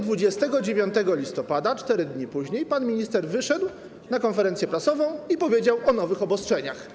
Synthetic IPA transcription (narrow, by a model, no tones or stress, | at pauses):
d̪vud͡ʑɛst̪ɛɡɔd͡ʑevʲjɔnt̪ɛɡɔlʲist̪ɔpad̪at͡ʂt̪ɛɾɘd̪ɲipuʑɲejpanmʲiɲist̪ɛɾvɘʂɛd̪w | nakɔnfɛɾɛnt̪ʲjɛpɾasɔvɔ̃w̃ipɔvʲjed͡ʑawʔɔnɔvɘxɔbɔstʂɛɲax